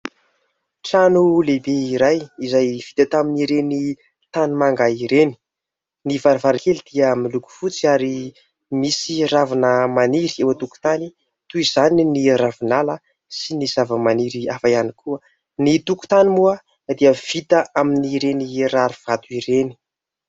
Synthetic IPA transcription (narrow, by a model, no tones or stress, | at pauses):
ʈ͡ʂanulebeiɾajizajv̥it̪at̪aminiɾeni | t̪animaŋɡaiɾeni̥ | nivaɾivaɾikelid̪̥iəmiluku̥fut͡siaɾi | misiravanəmaniɾiewət̪uku̥t̪ani | t̪uiz̥aniniravinalə | siniz̥avəmaniɾiafaianikʰuə | nit̪uku̥t̪animuə | d̪iəv̥it̪əʔaminiɾeniraɾuv̥at̪uiɾeni̥